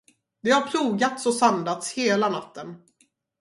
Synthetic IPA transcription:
d̪ɛhaɾpʰɾuːɡat̪sɔsand̪at̪sheːlanat̪ːən

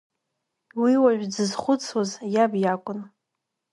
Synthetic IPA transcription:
wiwaʒʷᶣd͡zɨzχʷʊt͡sʰʼwazjabjakʷʼʊn

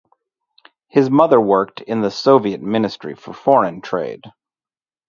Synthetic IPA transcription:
hɨzmʌðə˞wɜ˞k̚tʰɪ̃nðəsoʊviɨt̚mɪ̃nɨstɹ̥ḭfə˞fɔɹɨ̃ntʰɹ̥eɪd̥

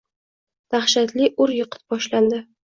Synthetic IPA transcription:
d̪̥aχʃat̪lɪʔʊɾjɨqʰɨ̥t̪̚bɒʃland̪ɪ

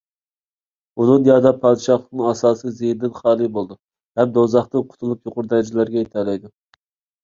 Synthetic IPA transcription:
unɨnjɑːd̪ɑpʰɑːd̪ɨʃɑχlˠəknɨŋɑsɑːsɨjzejd̪ɪnχɑːlˠɨbolˠd̪u | hɛm̚d̪ozɑχt̪ɨqʰʊ̥t̪ʰulˠupjoqʊɾd̪ɛd͡ʒɪlæɾɡʲɛjet̪ʰɛlɛjd̪u

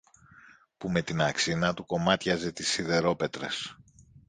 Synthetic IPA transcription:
pume̞t̪inɐksinɐt̪uko̞mɐt̪çɐze̞t̪isiðe̞ɾo̞pe̞t̪ɾe̞̰s

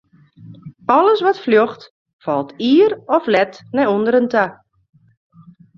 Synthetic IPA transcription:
ɔləsʋɔtfljoxt | fɔlˠtʰiːərɔflɛtnɛjondəɾəntʰa

